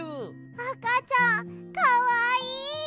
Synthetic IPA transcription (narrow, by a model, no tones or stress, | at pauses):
i | akat͡ʃakawai